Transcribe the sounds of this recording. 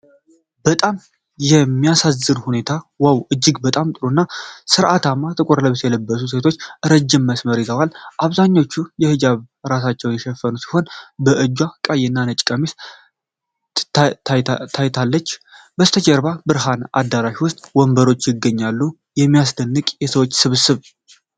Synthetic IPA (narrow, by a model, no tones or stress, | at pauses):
bət̪ʼam | jɛmːijasazɨnhune̞t̪ʰawawɨd͡ʒːɪɡbət̪ʼamt̪ʼɨɾonːasɨɾʔat̪amːat̪ʼɨkʼɨɾləβɨsjɛləbːəs̬us̬e̞t̪ʰo̞t͡ʃːʔɨɾəd͡ʒːɪmːəsməɾizəwalʔaβzaɲːo̞t͡ʃːujɛhɨd͡ʒaβ | ɾas̬at͡ʃːɛwjɛʃɛfːənusi̥ho̞nbəʔɨd͡ʒːwakʼajɛnːanət͡ʃʼkʼəmis | t̪ʰajt̪ʰalːət͡ʃː | bəst̪ʰət͡ʃʼɛɾbabɨɾɦana̰d̪ːaɾaʃiwʊst̪ʼwɔmbəɾo̞t͡ʃːjɪɡːəɲːalːu | jɛmːijasd̪ənːɨkʼjɛsəwo̞t͡ʃːsɨβɨsɨβ